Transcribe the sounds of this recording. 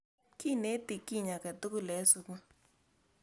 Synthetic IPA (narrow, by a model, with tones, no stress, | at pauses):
ki˦˨ne˨˦ti˨ki˦˨ɲa˨kɛ˨t̪u˦ku˦lɛ˨˦su˧ku˦